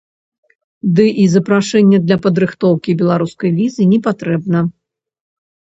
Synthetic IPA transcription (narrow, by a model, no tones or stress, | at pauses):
d̪ɨʔizɐpɾaʂɛnʲːɛd̪lʲɐpɐd̪ɾɨxt̪ɔwkʲibʲɛlˠaɾuskɐjvʲizɨnʲɛpat̪ɾɛbnɐ